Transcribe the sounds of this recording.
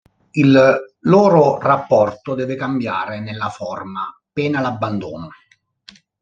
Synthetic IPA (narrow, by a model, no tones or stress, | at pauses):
ilːoːɾʊrapːɔrt̪ʊd̪ɛːvɪkambja̰ːɾɪnelːafɔrma | pɛːnalabːand̪uːnʊ